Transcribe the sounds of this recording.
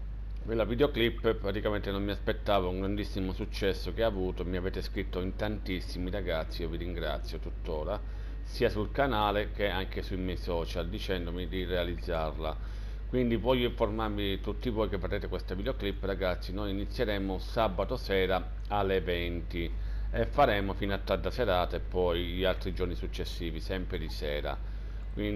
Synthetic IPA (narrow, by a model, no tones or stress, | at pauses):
kwelːavid̪eoklipːpɾat̪ikament̪enomːiaspet̪ːaːvouŋɡɾand̪isːimosut͡ʃːɛsːok̟eavuːt̪omiaveːt̪eskɾit̪ːoint̪ant̪isːimiɾaɡat̪sːiioviɾiŋɡɾa̰t̪sːjot̪ut̪ːoːɾa | siːasulkanaːlek̟eaŋkesuimɛjsɔːt͡ʃald̪it͡ʃɛnd̪omid̪irealid̪zːarla̰ | kwind̪ivɔʎːoiɱformaɾmit̪ut̪ːivɔːjkevːaɾeːt̪ekwest̪avid̪eoklipːɾaɡat̪sːinojinit̪sːjeɾɛːmʊsabat̪osɛːɾa | alːevɛnt̪i | efːaɾɛːmofiːnat̪ːad̪ːaseɾaːt̪aepːɔjʎialt̪ɾid͡ʒornisut͡ʃːesːiːvisɛmpɾed̪isɛːɾa̰ | kwin